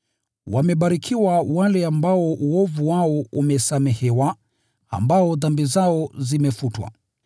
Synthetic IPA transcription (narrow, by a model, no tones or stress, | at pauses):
wamɛɓaɾikʰiwawalɛambaɔʔuɔvuwaɔumɛsamɛhɛwa | a̰mbaɔðambizaɔzimɛfutwa̰